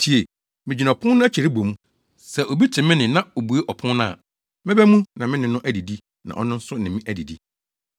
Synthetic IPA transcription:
tʰi˨e˨ | mɪ̃˨d͡ʑi˨nã˨pʰʊ̃˦nnʊ̃˦æ˦t͡ɕʰi˨ɾi˦bo˨mũ˦ | sɛ˨ʔo˨bi˦tʰɪ̃˨mɪ̃˦nɪ̃˨nã˦o˨bu˨˦e˦ʔɔ˨pʰʊ̃˦nnʊ̃˦a̰˨ | mɪ̃˦bæ˦mũ˦nã˨mɪ̃˦nɪ̃˨nʊ̃˦ʔæ˦di˨di˦ | nã̰˨ʔɔ̰˦nʊ̃˦n̩˦sʊ˦nɪ̃˨mɪ̃˦ʔæ˦di˨di˦

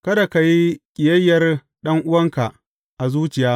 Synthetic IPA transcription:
kɐ˦da˨ka˨ji˦kʲʼɪ˨jɐ˦jːɐ˨r | ɗɐ˦ŋʔʊ˦wɐ˦ŋka˨ʔ | ʔa˨zuː˦t͡ʃɪ˨jaː˦

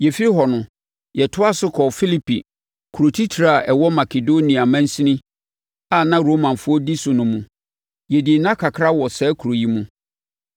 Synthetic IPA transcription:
jɛ˨fi˦ɾi˦ɦɔ˨nʊ̃˨ | jɛ˨tʰʊ˦a˦sʊ˦kʰɔ˨fi˦li˨pʰḭ˨ | kʰu˨ɾo˨tʰi˦tʰɾa˨a˨ʔɛ˨wɔ˦ma˨kʰe˨do˦nĩ˨a˨mæ̃˦n˦sĩ˦nɪ̃˦ | a˨nã˦ɾoː˦mã˨nfʊ˦ɔ˦di˦sʊ˨nʊ̃˨mũ˨ | jɛ˨dɪ˨nã˦kʰa˨kʰɾa˦wɔ˨sɛː˦kʰu˨ɾo˨ji˦mũ˦

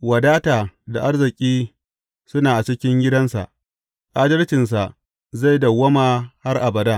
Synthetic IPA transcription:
wɐ˨daː˦taː˨da˨ʔa˦rzɪ˨kʲʼiː˦ | sʊ˦naː˨ʔa˨t͡ʃɪ˦kʲɪ˦ŋɡʲɪ˦dɐ˦nsa̰˨ʔ | ʔʼaː˦dɐ˦rt͡ʃɪ˨ns̬a˨ʔ | za˦˨jdɐ˨wɐ˦maː˨ha˦rʔa˨bɐ˨daː˦

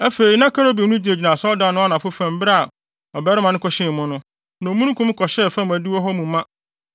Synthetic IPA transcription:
æ˦fe˨ɾi˨nã˦kʰa˦ɾo˦bi˨˦nũ˦d͡ʑi˨na˨d͡ʑi˨nã˨sɔ˦dã˨nʊ̃˦a˦nã˨fʊ˦fã˨m̩˦ba˦a˨ | ɔ˨bɛ˦ɾɪ˦mã˨nʊ̃˦kʰɔ˨ɕɪ̃˦˨mʊ̃˦nʊ̃˦ | nã˨mũ˦nũ˦kʰũ˦m˦kʰɔ˨ɕɛ˦˨fã˦mæ̃˨du˦ɔ˦ɦɔ˦mũ˨mã˦

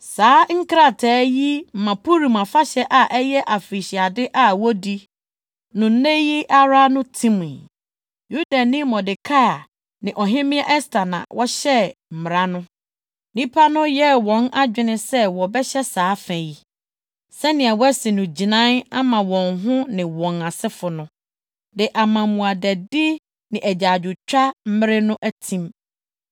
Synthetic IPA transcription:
saː˨˦ŋ̩˦kɾa˦˨tʰɛː˨˦ji˦m̩˨mã˨pʰu˦ɾi˨mã˨fa˦ɕɛ˦ʔa˨ʔɛ˦jɛ˦ʔa˨fi˨ɕi˨a˨dɪ˦ʔa˨wɔ˦di˦ | nʊ̃˨n̩˦nẽ˦ji˦ʔa˦ɾa˦nʊ̃˦tʰĩ˦mĩ˨ | ju˦da˨nĩ˦mɔ˨dɪ˨kʰa˦a˨ | nɪ̃˨ʔɔ˨ɦɪ̃˦mɪ̃˦ɛ˦ʔɛ˦stʰa˨nã̰˨wʔɔ˦ɕɛ˦m̩˨mɪ̃˨ɾa˦nʊ̃˦ | nĩ˦pʰa˦nʊ̃˦jɛ˦wɔ̃˨na˦d͡ʑᶣɪ˦nɪ̃˦sɛ˦wɔ˨bɛ˦ɕɛ˦saː˨˦fæ̃˨ji˨ | sɛ˦nɪ̃˨a˨wɔ˦ɛ˦sɪ˨nʊ̃˨d͡ʑi˨nã˦na˦mã˨wɔ̃˨ŋɦʊ̃˦nɪ̃˨wɔ̃˨na˨sɪ˦fʊ˨nʊ̃˦ | dɪ˨ʔa˨mã˨mũ˨a˨dɛ˨dɪ˦ | nɪ̃˨ʔæ˨d͡ʑaː˨d͡ʑʊ˨t͡ɕᶣa˦m̩˦mɪ̃˦ɾɪ˦nʊ̃˦ʔæ˦tʰĩ˦m

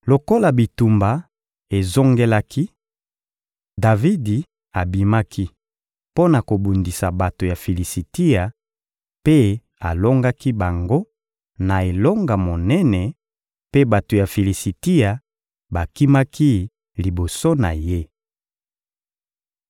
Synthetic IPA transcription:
lo˨ko˦la˨bi˨tu˨mba˨ | e˨zo˦ŋɡe˦la˦kʰi˦ | da˨vi˦di˨ | a˨bi˨ma˦ki˦ | po˦na˨ko˨bu˨ndi˨sa˨ba˨to˨ja˨fi˨li˨si˨ti˦a˨ | pe˦ | a˨lo˦ŋɡa˦ki˦ba˨ŋɡo˦ | na˨e˨lo˦ŋɡa˨mo˨nɛ˦nɛ˨ | pe˦ba˨to˨ja˨fi˨li˨si˨ti˦a˨ | ba˨ki˦ma˦ki˦ | li˨bo˨so˦na̰˨je˦

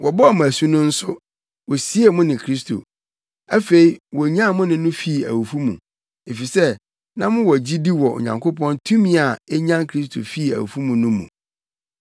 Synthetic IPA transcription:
wʔɔ˨bɔ˦ɔ˨m̃˨æ˨sũ˦nʊ̃˦n̩˦sʊ˦ | wɔ˨si˦e˨mʊ̃˦nɪ̃˨kʰɾi˦s̬tʰo̰˨ | æ˦fe˨i˦wɔ˨ɲã˦˨mʊ̃˦nɪ̃˨˦nʊ̃˦fi˦˨æ̰˨wu˨fu˦mṵ̃˨ | e˨fi˨sɛ˦ | nã˦mʊ̃˦wɔ˨d͡ʑi˦di˦wɔ˨ʔo̰˨ɲã̰˨ŋkʰo˦pʰɔ̃˦ntʰũ˦mĩ˦a˨ɛ˦ɲã˦nkʰɾi˦s̬tʰo̰˨fi˦˨æ̰˨wṵ˨fu˦mũ˨nʊ̃˦mṵ̃˨

